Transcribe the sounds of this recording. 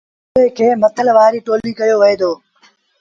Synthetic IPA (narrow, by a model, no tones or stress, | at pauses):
eːkʰeːmət̪ʰəlʋaːɾiːʈoːliːkɐjoːʋəeːd̪oː